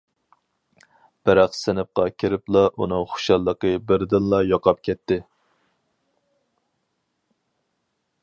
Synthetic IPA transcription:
b̥æɾæqsɪnɪp̚qɑkʲʰiɾɪplˠɑʔunɨŋχʊ̥ʃɑlˠːəqəbɪɾd̪ɪnlˠɑjɑqɑp̚kʲʰɛt̪ːɪ

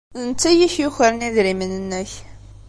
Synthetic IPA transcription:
ənt͡sːæjiçjuçəɾəniðɾimənənːəç

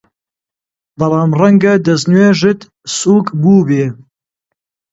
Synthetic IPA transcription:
bɐlɑːmrɐŋɡɐd̪ɐznweːʒɨt̪ | suːkʼbuːbeː

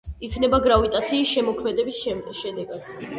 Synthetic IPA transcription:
ikʰnɛbaɡɾavit̪ʼat̪sʰiːsʃɛmɔkʰmɛd̪ɛbisʃɛd̪ɛɡad̪̥

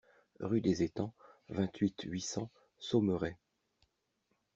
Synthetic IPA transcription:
ʁyd̪ezet̪ɑ̃vɛ̃t̪ɥit̪ɥisɑ̃ | somøʁɛ

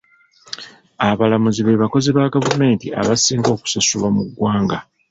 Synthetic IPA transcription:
aβalamuziβe̞βako̞zeβaɡavume̞ːntia̰βasiːŋɡo̞ːku̥sasuβamuɡwaːŋɡa

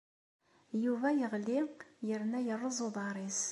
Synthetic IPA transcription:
juvæjəʁliqjəɾnæjərˤːəzuðˤɑɾis

